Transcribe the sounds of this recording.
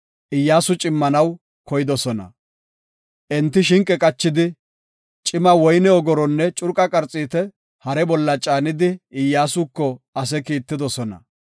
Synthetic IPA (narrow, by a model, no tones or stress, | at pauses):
ʔɪjːaːsʊt͡ʃʼɪmːɐnɐw | kɔjɪd̪ɔsɔnɐ̰ | ʔɛnt̪ːɪʃɪŋkʼːɛkʼɐt͡ʃːɪd̪ɪ | t͡ʃʼɪmɐwɔjnɛɔɡɔɾɔnːɛt͡ʃʼʊɾkʼɐkʼɐɾt͡sʼiːt̪ɛ | hɐɾɛbɔlːɐt͡ʃʼaːnɪd̪ɪːɪjːaːsʊkːɔɐs̬ɛkiːt̪ːɪd̪ɔsɔnɐ̰